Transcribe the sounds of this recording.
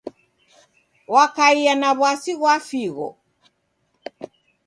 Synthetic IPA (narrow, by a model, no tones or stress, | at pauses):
wakaianaβwasiɣwafiɣɔ̰